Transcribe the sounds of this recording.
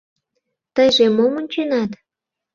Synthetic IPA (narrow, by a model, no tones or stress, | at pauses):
t̪əjʒemomənʲt͡ɕenɑt̪